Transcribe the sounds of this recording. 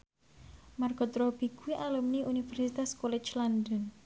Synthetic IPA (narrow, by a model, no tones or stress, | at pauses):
marɡ̥ɔt̪ɾɔb̥iɡ̥uwiʔalumniʔunifɛrsit̪askolɛt͡ʃlandɔn